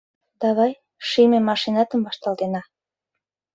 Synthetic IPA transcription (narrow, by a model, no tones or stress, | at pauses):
d̪ɑβɑj | ʃimemɑʃinɑt̪ə̆mbɑʃt̪ɑlt̪enɑ